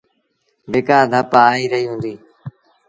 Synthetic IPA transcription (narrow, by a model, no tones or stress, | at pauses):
beːkaːd̪ʱəpaːaːiːɾəɦiːɦũːnd̪iː